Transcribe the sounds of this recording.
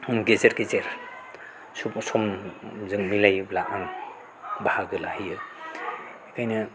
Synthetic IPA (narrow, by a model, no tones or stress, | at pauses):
ɡezeɾɡezeɾ | susɔmzɯŋmilajblaʔaŋ | bahaɡɯlahijɯ | ikʰajnɯ